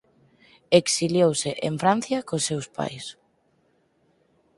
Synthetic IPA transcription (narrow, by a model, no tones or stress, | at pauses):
eksiljowseʔeɱfɾan̟θjɐkosːewspa̰js